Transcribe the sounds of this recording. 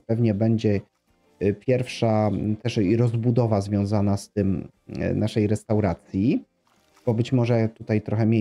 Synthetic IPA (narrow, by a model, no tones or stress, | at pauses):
pɛvɲɛbɛɲd͡ʑɛ | pʲjɛɾfʂat̪ɛʂiɾɔzbud̪ɔvazvʲjɔ̃zanast̪ɘm | naʂɛjɾɛst̪awɾat̪sʲji | b̥ɔbɘt͡ɕmɔʐɛt̪ut̪ajt̪ɾɔxɛmʲje